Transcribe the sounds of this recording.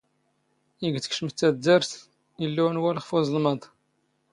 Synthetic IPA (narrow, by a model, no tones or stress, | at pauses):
iɡθəkʃəmət̪ːæd̪əɾθ | ilːiænwæləχfuzˤəlmɑd̪ˤ